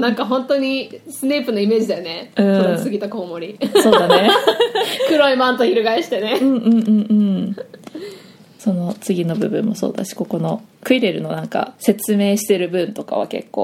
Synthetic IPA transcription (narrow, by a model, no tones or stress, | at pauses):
nãŋkaɦõ̞nt̪o̞ɲ̟isɨneːpɯ̟no̞ime̞ːd͡ʑid̪ajone̞ɯ̟̃soosɨɡʲit̪ako̞ːmo̞ɾʲiso̞ːd̪ane | kɯ̟ɾoimãnt̪oçiɾɯɡaeɕi̥t̪e̞neɯ̟̃ɴɯ̃ːɯ̟̃ɴɯ̟̃ɴ | so̞no̞t͡sɨɡʲino̞bɯ̟bɯ̟̃mːo̞so̰ːd̪a̰ɕi̥ko̞ko̞no̞kɯ̟iɾe̞ɾɯ̟no̞nãŋka̰se̞t͡sɨme̞ːɕi̥t̪e̞ɾɯ̟bɯ̟̃nt̪o̞ka̰βa̰ke̞̰kːo̞̰ː